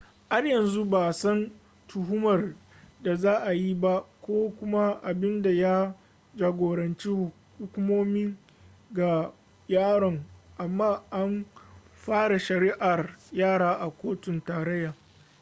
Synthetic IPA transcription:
ha˦rjɐ˨nzu˦baː˨sɐ˦n | tʊ˨ɦʊ˦mɐ˨r | da˨zaː˦ʔa˨ji˦ba˦kʷoː˦kʷʊ˦ma˦ʔa˨bɪ˦nda˨ja˦ | d͡ʒaː˨ɡʷoː˨ɽɐ˨nt͡ʃi˦hʊ˨ | hʊ˦kʷʊ˦moː˦miː˦ | ɡa˨ | jaː˦ɽɐ˨ŋʔa˨mːaː˦˨ʔa˦m | ɸaː˦ɽa˨ʃɐ˨ɾiː˦ʔa˨rjaː˦˨ɽaː˦ʔa˨kʷoː˦tʊ˨ntaː˨ɾɐ˦jːaː˨

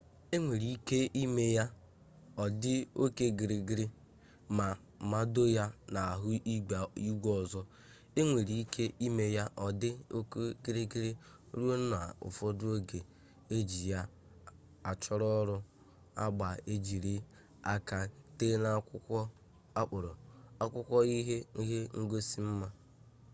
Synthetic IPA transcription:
e˦ŋʷe˨ɾi˨i˦ke˦ʔi˦me˦ja˦ | ɔ˨dɪ˦o˦ke˦ɡi˨ɾi˨ɡi˦ɾi˦ | ma˨ | ma˦do˦ja˦na˨a˨ɦʊ˦ʔi˦ɡ͡ba˨i˦ɡʷɔ˦ɔ˨zɔ˦ | e˦ŋʷe˨ɾi˨i˦kʰe˦ʔi˦me˦ja˦ʔɔ˨dɪ˦o˦ko˦ɡi˦ɾi˦ɡi˦ɾi˦ | ɾu˦o˦na̰˨ʊ̰˨fɔ˦do˦ɡe˨ | e˦d͡ʒi˨ja˦ | a˨t͡ʃɔ˦ɾɔ˦ɾʊ˦ | a˦ɡ͡ba˨e˦d͡ʒi˨ɾi˦ | a˦ka˨te˦na˦kʊ˦kʷɔ˦ | a˦k͡pʊ˨ɾʊ˨a˦kʷʊ˦kʷɔ˦i˦ɦe˦i˦ɦe˦ŋ̩˦ɡo˦si˦m̩˦ma˦

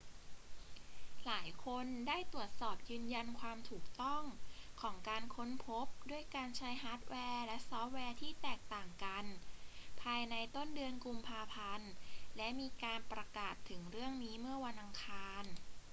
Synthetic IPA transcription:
laː˩˦jkʰo˧ndaː˥˩jt̪u˨˩ət̪̚sɔː˨˩p̚jɯː˧nja˧nkʰwaː˧mt̪ʰuː˨˩k̚t̪ɔ˥˩ŋkʰɔː˩˦ŋkaː˧nkʰo˦˥npʰo˦˥p̚du˥˩əjkaː˧nt͡ɕʰa˦˥jɦaː˦˥t̪̚wʔɛː˧lɛ˦˥ʔsɔː˦˥p̚wɛː˧t̪ʰiː˥˩t̪ɛː˨˩k̚t̪aː˨˩ŋka˧npʰaː˧jna˧jt̪o˥˩ndɯ˧ənku˧mpʰaː˧pʰa˧nlɛ˦˥ʔmiː˧kaː˧npɾa˧kaː˨˩t̪ʰːɯ˩˦ŋɾɯ˥˩əŋniː˦˥mɯ˥˩ɐwa˧nʔa˧ŋkʰaː˧n

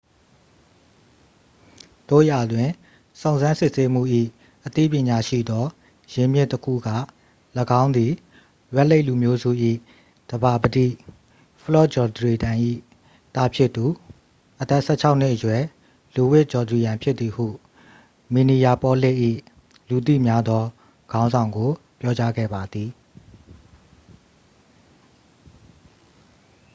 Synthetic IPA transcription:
d̪̥o̰˦˨ja˨dwɪ̃˨ | sõ˨ʊ̃nzã˦nsɪ˦ʔse˦m̥ṵ˦˨ʔḭ˦˨ | ʔət̪ḭ˦˨pjɪ̃˨ɲa˨ʃḭ˦˨d̪ɔ˦ | jɪ̃˨mjɪ˦˨tːəkʰṵ˦˨ɡä̰˦˨ | ləɡã˦ʊ̃nd̪i˨ | jwɛ˦ʔle˦ɪʔlu˨mjo˦zṵ˦˨ʔḭ˦˨ | d̥əba˨bədḭ˦˨ | pʰəlɔ˦˨d͡ʑɔ˨d̪əɹi˨dã˨ʔḭ˦˨ | t̪a˦pʰjɪ˦ʔt̪ːu˨ | ʔət̪ɛ˦ʔsɛ˦˨t͡ɕʰa˦ʊʔn̥ɪ˦ʔəjwɛ˨ | lu˨wɪ˦ʔ̚t͡ɕɔ˨d̪ɹi˨jã˨mpʰjɪ˦t̪t̪i˨hṵ˦˨ | mi˨ni˨ja˨pɔ˦le˦ʔḭ˦˨ | lu˨t̪̬ḭ˦˨mja˦d̪ɔ˦ | ɡ̥ã˦ʊ̃nzã˨ʊ̃ŋɡo˨ | pjɔ˦t͡ɕa˦ɡɛ̰˦˨ba˨d̪ði˨

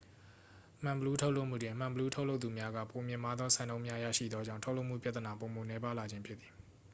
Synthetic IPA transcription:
m̥ã˨mbəlu˦tʰo˦ʊlo˦ʊʔm̥ṵ˦˨dɪ̃˨m̥ã˨bəlu˦tʰo˦ʊʔlo˦ʊt̪u˨mja˦ɡä̰˦˨po˨mjɪ̃˨ma˦d̪ðɔ˦sʰã˨nõ˦ʊ̃mja˦ja̰˦˨ʃḭ˦˨d̪ðwɔ˦d͡ʑã̰˦˨tʰo˦lo˦ʊʔm̥ṵ˦˨pja˦t̪ə˨na˨po˨mo˨nɛ˦pa˦la˨d͡ʑɪ̃˦mpʰjɪ˦t̪t̪θi˨

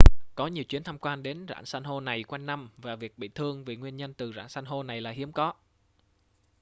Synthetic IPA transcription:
kɔ˨˦ɲi˨˩əwt͡ɕwi˨˦ənt̪ʰa˧mkwaː˧nɗe˨˦nza̰ː˧˨nsa˧nɦo˧na˨˩jkwa˧jŋna˧mvaː˨˩vi˨˩ək̚ɓḭ˧˨t̪ʰɨ˧əŋvi˨˩ŋwi˧ənɲə˧nt̪ɨ˨˩za̰ː˧˥nsa˧jnɦo˧na˨˩jlaː˨˩hi˨˦əmkɔ˨˦

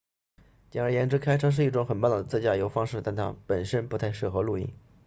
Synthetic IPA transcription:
t͡ɕɛ˧˥˩ə˞˧˥jɛ˧˥nʈ͡ʂɻ̩˥kʰa˥ɪʈ͡ʂʰɤ˥ʂ̬ɻ̩˥˧i˥˩ʈ͡ʂʊ˧˥ŋxə˨˩np̬a˥˩nlɑ˨˩ə˩t͡s̩˥˩t͡ɕja˥˩jo˧˥ʊfɑ˥ŋʂɻ̩˥˩t̪a˥˩nt̪ʰa̰˥pə˨˩nʂə˥npu˧˥t̪ʰa˥˧ɪʂɻ̩˥˩xɤ˧˥lu˥˩ḭ˥˩ŋ

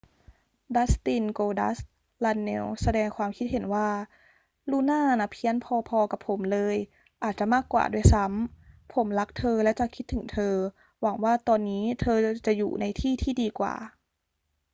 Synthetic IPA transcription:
da˦˥st̪i˧nkoː˧da̰˦˥s | la˧nːḛ˧˥˧wsa˧dɛː˧ŋkʰwaː˧mkʰi˦˥t̪̚he˨˩˦nwaː˥˩ | luː˧˥˩naː˥˩na˧˥pʰi˦˥ə˨npʰɔː˧pʰɔː˧ka˨˩pʰːo˩˦mlɤː˧j | ʔaː˨˩t̪̚t͡ɕa˨˩maː˥˩kːwa̰ː˨˩du˥˩˨jsa˦˥mpʰo˩˦mla˦˥k̚t̪ʰɤː˧lɛ˧˦˥wt͡ɕa˨˩kʰi˦˥t̪ʰːɯ˨˩˦ŋt̪ʰɤː˧ | wa˩˦ŋwaː˥˩t̪ɔː˧nːiː˦˥t̪ʰɤː˧t͡ɕa˨˩jṵː˨˩na˧jt̪ʰiː˥˩t̪ʰiː˥˩diː˧kwa̰ː˨˩

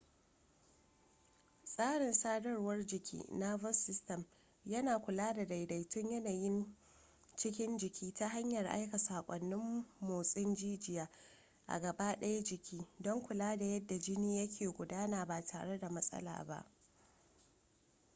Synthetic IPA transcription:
sʼaː˦ɽɪ˨nsaː˦dɐ˦rwɐ˦rd͡ʒɪ˨kʲʰḭː˦na˦vɐ˦sɪ˦stɐ˨m | jɐ˦naː˨kʷʊ˨laː˦da˨da˨jda˨jtʊ˦ɲjɐ˦naː˨jɪ˦n | t͡ʃɪ˦kʲɪ˦nd͡ʒɪ˨kʲiː˦ta˦ɦa˦ɲjɐ˨rʔa̰˦jka˨saː˨kʷʼɔ˨nːɪ˦mːoː˨sʼɪ˦nd͡ʒiː˦d͡ʒɪ˨jaː˦ | ʔa̰˨ɡɐ˨ba˦ɗɐ˦ja˦d͡ʒɪ˨kʲʰiː˦dɔ˦ŋkʷʊ˨laː˦da˨jɐ˦dːa˨d͡ʒɪ˦niː˦jɐ˦kʲʰeː˨ɡʷʊ˨daː˦naː˨baː˨tʰaː˨ɽe˦da˨mɐ˦sʼɐ̰˦la̰ː˨ba̰˦ʔ

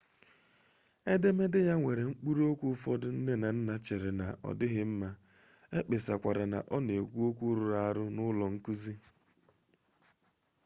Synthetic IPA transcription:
e˦de˦me˦dɪ˦ja˦ŋʷe˨ɾe˨ŋ͡m̩˦k͡pu˦ɾo˦kʷu˦fɔ˦dʊ˦n̩˦ne˦na˨n̩˦na˦t͡ʃe˨ɾe˨na˨ʔɔ̰˨dɪ˦ɣɪ˦m̩˦ma˦ | e˦k͡pe˨sa̰˨kʷa˨ɾa˨na̰˨ʔɔ˦ne˨ɡʷu˦o˦kʷu˦ɾu˨ɾa˦ɾʊ˦nʊ˦lɔ˨ŋ̩˦ku˦zi˦

